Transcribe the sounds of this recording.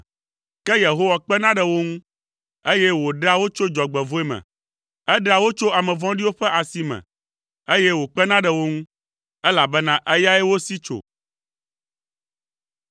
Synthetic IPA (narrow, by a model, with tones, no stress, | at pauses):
kɛ˦je˨ɦo˦wa˨k͡pɛ˦nã˦ɖɛ˨wo˦ŋũ˦ | e˦jɛ˦wo˨ɖa˦wo˦t͡ʃo˦d͡ʒɔ˨ɡ͡bɛ˨vo˦ɛ˦mɛ̰̃˨ | ɛ˦ɖa˨wo˦t͡ʃo˦a˨mɛ̃˨vɔ̃˦ɖi˦wo˦ɸɛ˦ʔa˨si˦mɛ̰̃˨ | e˦jɛ˦wo˨k͡pɛ˦nã˦ɖɛ˨wo˦ŋũ˦ | ɛ˦la˨bɛ˦nã˦ʔɛ˦ja˦ɛ˦wo˦si˦t͡ʃo̰˨